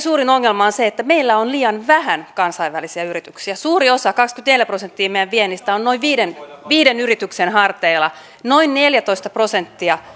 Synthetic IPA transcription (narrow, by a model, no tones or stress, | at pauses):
suːrinoŋːelmɑonseet̪ːæmeilːæonliːɑnʋæhænkɑnsɑiʋʋælisiɑyrit̪yksiæsuːɾiosɑkɑkskyet̪neljæprosent̪ːiːmejæʋʋienːist̪æonnoiʋʋiːdenʋiːdenyrit̪yksenhɑrt̪eilɑ | noinneljæt̪oist̪ɑprosent̪ːiɑ